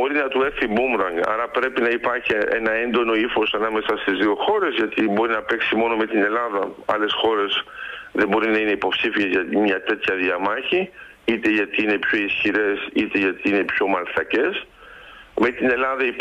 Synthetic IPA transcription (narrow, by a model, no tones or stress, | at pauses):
o̞ɾinɐt̪ue̞θibumɾɐŋɡɐ̰ɾɐpɾe̞pinɐipɐɾçiḛnɐe̞nd̪o̞no̞ifo̞sɐnɐme̞sɐst̪izðio̞xo̞ɾe̞zʝɐt̪ibo̞ɾinɐpe̞ksimo̞no̞me̞t̪ine̞lɐðɐɐ̰le̞sxo̞ɾe̞sðembo̞ɾinɐine̞ipo̞psifiezʝɐt̪imɲɐt̪e̞t̪çɐðiɐmɐçi | it̪e̞ʝɐt̪iine̞pço̞isçiɾe̞sit̪e̞ʝɐt̪iine̞pço̞mɐlt̪ɐce̞s | me̞t̪ine̞lɐðɐi